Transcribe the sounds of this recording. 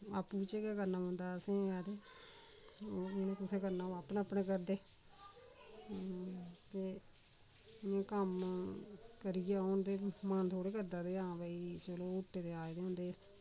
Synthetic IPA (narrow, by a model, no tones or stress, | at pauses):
a̰ːpuːɪt͡ʃekaːkəɾnaːʊ̃nd̪aːsẽːaːd̪eː | nẽːkʊt̪ʰeːkəɾnaːaːpneəpneːk̬əɾd̪eː | t̪eː | ɪãːkəm | kəɾɪjaːoːnd̪eːmant̪ʰoːɽeːkəɾd̪aːd̪eːãːbaːiːt͡ʃəloːʊʈːeːd̪eːaːed̪eːɦʊ̃nd̪eːs